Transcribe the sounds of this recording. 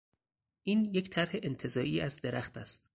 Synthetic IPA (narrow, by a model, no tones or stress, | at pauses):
ʔiːnjecʰt̪ʰæɾhe̞ʔent̪ʰe̞zɒːʔiːæzd̪e̞ɾæχt̪ʰæst̪